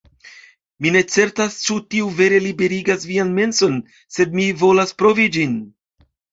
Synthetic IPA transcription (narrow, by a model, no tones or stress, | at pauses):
mine̞t͡se̞ɾtast͡ʃutiuve̞ɾe̞libe̞ɾiɡasvianme̞nso̞n | se̞dmivo̞laspɾo̞vid͡ʒin